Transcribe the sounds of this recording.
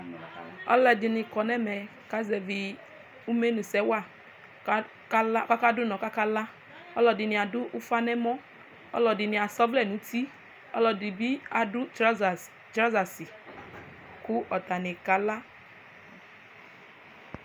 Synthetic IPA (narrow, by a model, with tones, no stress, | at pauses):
ɔ̰˦lɛ˧dɪ˨nɪ̃˨kɔ˨nɛ˦mɛ˨ka˦zɛ˨vi˨ | u˦me˦nũ˨sɛ˦wa˦˨˦ | ka˦lka˦ka˦dʊ˦nɔ̃˨ka˦ka˦la˦ | ɔ˦lɔ˨dɪ˨nĩ˨a˨dʊ˦ʔu˦fa˦nɛ˦mɔ˦ | ɔ̰˦lɔ˨dɪ˨nɪ̃˨a˨sɔ˦vlɛ˦˨nũ˨˦ti˦ | ɔ̰˦lɔ˨di˨bi˦a˨dʊ˦˨ | tɾa˦za˨si˨ | kʊ˦ʔɔ˨t̪a˨nɪ˨ka˨˦la˦